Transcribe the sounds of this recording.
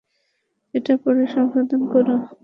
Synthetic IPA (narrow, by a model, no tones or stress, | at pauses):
eʈapɔɾeʃɔŋʃod̪ʱonkoɾo